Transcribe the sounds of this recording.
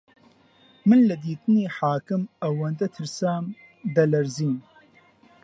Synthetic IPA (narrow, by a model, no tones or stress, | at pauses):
mɨnlɐd̪iːt̪ɨniːħaːkɨmɐwɐnd̪ɐt̪ʰɨɾsaːm | d̪ɐlɐɾziːn